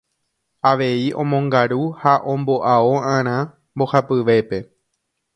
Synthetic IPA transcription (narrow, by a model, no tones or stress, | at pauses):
aʋe̞iʔõ̞mõ̞ŋɡaɾuhaʔõ̞mbo̞ʔaoãɾ̃ã | mbo̞hapɨʋe̞pe̞